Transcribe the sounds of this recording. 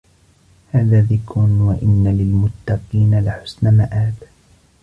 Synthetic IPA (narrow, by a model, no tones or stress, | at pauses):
haːðaːðɪkɾʊnwaʔɪnːalɪlmʊt̪ːɑqiːnalaħʊ̥snamaʔaːd̪